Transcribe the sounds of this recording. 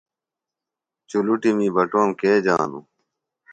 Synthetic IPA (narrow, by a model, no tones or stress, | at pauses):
t͡ɕuluʈimibɐʈomkeːd͡ʑa̰ːnṵ